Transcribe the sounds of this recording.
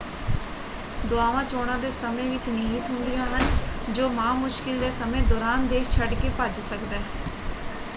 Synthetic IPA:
d̪ʊaːʋãːt͡ʃoːɽ̃ãːd̪eːsəmẽːʋɪt͡ʃniɦiːt̪ɦʊnd̪ijãːɦənd͡ʒoːmãːmʊʃkɪld̪eːsəmẽːd̪ɔːɾaːnd̪eːʃt͡ʃʰəɖkeːpəd͡ʒsəkd̪ɛː

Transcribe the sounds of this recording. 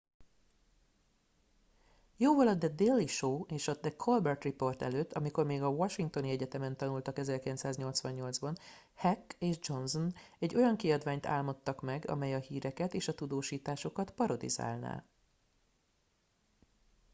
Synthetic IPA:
joːvɒlɒd̪ɛd̪elːiʃoːeːʃɒd̪ɛkʰolbɛrt̪ripo̞rt̪ɛ̰løːt̪ːɒmiko̞rmeːɡɒʋɒʃiŋk̚t̪o̞niɛɟɛt̪ɛmɛnt̪ɒnult̪ɒkɛzɛrkilɛnt̪saːzɲo̞lt̪sʋɒɲɲo̞ld̪zbɒn | hɛkːeːʒd͡ʒo̞nzon | ɛɟːo̞jɒŋkiɒd̪vaːɲt̪a̰ːlmo̞t̪ːɒkmɛɡɒ̰mɛjɒhiːɾɛkɛt̪eːʃɒt̪ud̪oːʃiːt̪aːʃo̞kɒt̪pɒɾo̞d̪ḭza̰ːlna̰ː

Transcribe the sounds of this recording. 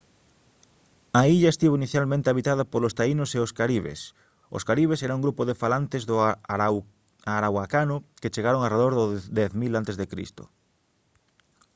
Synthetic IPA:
aiʎaest̪iβoiniθjalmẽnt̪eaβit̪aðɐpolost̪ainoseoskaɾiβḛs | o̰skaɾiβ̞esɛɾauŋɡɾupoðefalant̪ezðʊ | aɾawakanʊket͡ʃeɣaɾoŋareðoɾðʊd̪ɛθmilant̪ezðekɾḭst̪o̰

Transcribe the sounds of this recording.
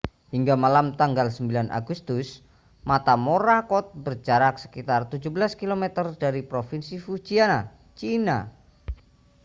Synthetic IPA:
hiŋɡamalamt̪aŋɡalsəmbilanʔa̰ɡust̪ʊs | mat̪amoɾakɔt̪̚bərd͡ʒaɾak̚sə̥kit̪art̪u̥d͡ʒubəlaskilomet̪ərd̥aɾipɾofinsifu̥t͡ʃiana | t͡ʃina̰

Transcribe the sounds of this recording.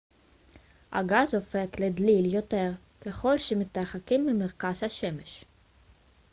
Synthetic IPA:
ha̰ɡazo̞fe̞kled̪liljo̞te̞ʁ | ke̞χo̞lʃemit̪aχakimːimeʁkaz̥haʃe̞meʃ

